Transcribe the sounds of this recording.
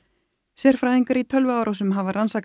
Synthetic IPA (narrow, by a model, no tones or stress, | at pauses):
sɛr̥fɾaːðiŋkaɾit̪ʰœlvʏaːwɾawsʏmɦavaransaːk